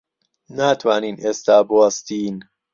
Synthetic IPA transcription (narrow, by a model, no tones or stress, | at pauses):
nat̪ʰwaːniːnest̪aːbɔst̪iːn